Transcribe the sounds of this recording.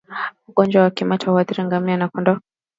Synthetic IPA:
uɡɔnd͡ʒwawakimat͡ʃahuaðiɾiŋɡamianakɔndɔ

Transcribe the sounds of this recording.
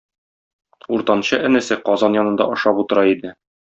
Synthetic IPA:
uɾt̪ɑnɕɤʔɘ̆nɘ̆sɘqɒzɑnjɒnɤ̆nd̪ɑ̰ʔŏʃɑput̪ɤ̆ɾɑid̪ɘ

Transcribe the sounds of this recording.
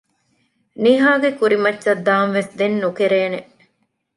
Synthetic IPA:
niɦaːɡekuɾimɐtːʃɐd̪ːaːnʋesd̪enːukeɾeːne

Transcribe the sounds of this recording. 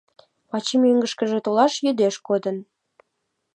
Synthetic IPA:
pɑt͡ɕimøŋɡəʃkə̆ʒĕt̪olɑʃjød̪eʃkod̪ən

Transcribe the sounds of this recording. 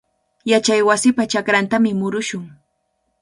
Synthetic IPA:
jat͡ʃajwasɪpat͡ʃakɾant̪amɪmʊɾʊʃʊŋ

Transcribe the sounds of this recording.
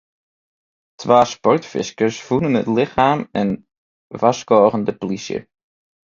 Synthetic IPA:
tʰʋaːspɔrtfɪ̰skəɹsfunənɦə̰tlɪχaːmɛn | vɑskɔːʁəndəplisjə̰

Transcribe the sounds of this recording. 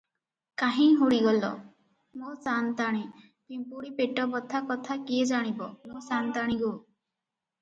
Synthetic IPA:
kaɦĩɦuɽiɡɔlɔ̰ | mosant̪aɽ̃i | kiũpuɽipeʈɔbɔt̪ʰakɔt̪ʰakied͡ʒaɽ̃ibɔmosant̪aɽ̃iɡo

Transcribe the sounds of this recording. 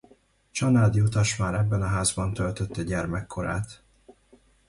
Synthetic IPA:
t͡ʃɒnaːd̪iut̪ɒʃmaːɾɛbːɛnɒɦaːzbɒnt̪ølt̪øt̪ːɛɟɛrmɛkːo̞ɾa̰ːt̪

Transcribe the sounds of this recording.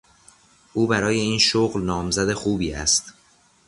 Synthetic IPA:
ʔuːbæɾɒːje̞iːnʃoɣlnɒːmzæd̪e̞xuːbiːæ̰st̪

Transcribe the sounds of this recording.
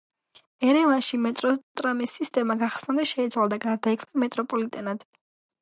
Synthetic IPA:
ɛɾɛvanʃimɛt̪ʼɾɔt̪ʼɾamisist̪ʼɛmaɡaχsnad̪ɛʃɛit̪sʰwalˠd̪aɡaɾd̪aikʰmnamɛt̪ʼɾɔpʼɔlit̪ʼɛnad̪̥

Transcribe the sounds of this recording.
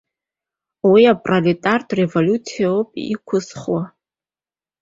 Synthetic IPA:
wiapʼralitʼartʰʼrevolʲut͡sʰijopʼikʷʰʊsχwa

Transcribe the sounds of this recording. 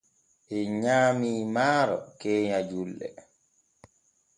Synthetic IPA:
ʔɛɲaːmiːmaːɾɔ̰kɛːɲad͡ʒulːɛ̰

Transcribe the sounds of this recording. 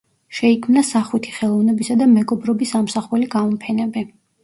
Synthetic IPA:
ʃɛikʰmnasaχwit̪ʰi̥χɛlˠɔvnɛbisad̪amɛɡɔbɾɔbisːamsaχuliɡamɔmpʰɛnɛbɛ

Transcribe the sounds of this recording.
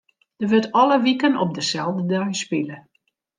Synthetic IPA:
d̥əʋɪtɔləʋikənɔp̚dəsɛlˠvdədœɥspilə

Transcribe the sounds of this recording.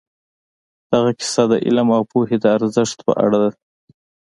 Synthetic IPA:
d̪̥aɣakɪ̥sɑd̪əʔɪ̰lamawpohed̪əaɾzəʂt̪pə̰ʔa̰ɽad̪a

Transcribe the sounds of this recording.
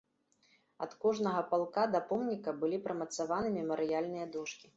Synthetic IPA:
ɐ̰t̪kɔʐnɐɣɐpalˠkad̪ɐpɔmnʲikɐbɨlʲipɾɐmɐt̪savanɨmʲɛmɐɾɨjalʲnɨjɐd̪ɔʂkʲi̥

